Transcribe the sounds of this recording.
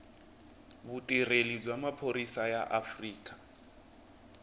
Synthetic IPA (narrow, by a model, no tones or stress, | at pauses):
βutʼirelib͡ʐwamapʰoɾisaja̰ʔafriːkʼḁ